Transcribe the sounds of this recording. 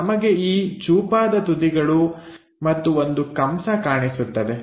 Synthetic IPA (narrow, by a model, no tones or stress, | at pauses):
ɐmɐɡe̞iːd͡ʒuːpaːd̪ɐt̪ud̪iɡɐɭu | mɐt̪ːuo̞nd̪ukɐmsɐkaːɳisut̪ːɐd̪e